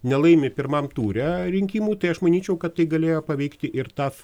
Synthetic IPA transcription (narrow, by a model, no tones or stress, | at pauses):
nʲɛlˠɐɪmʲɪpʲɪɾmɐmt̪uːɾʲɛɾʲɪŋʲkʲiːmuːt̪ɐɪɐʃmɐnʲiːt͡ʃʲɛʊkɐt̪tɐɪɡɐlʲeːjoːpɐʋʲɛɪkt̪ʲɪʔɪrt̪ɑːs